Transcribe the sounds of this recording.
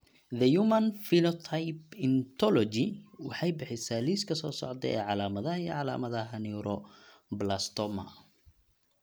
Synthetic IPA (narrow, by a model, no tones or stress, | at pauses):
ðɐjumɐnfilɔt̪ʰajpɪnt̪ʰɔlɔt͡ʃɪwɑħɑjbɪħɪsaːliːskʰɐsɔːsɔ̰ʕt̪ɛ̰ɛ̰ːʕɑlaːmɐðɐhɐiʕɑla̰ːmɐðɐɦɐniɾɔ | blast̪ɔmɐ̰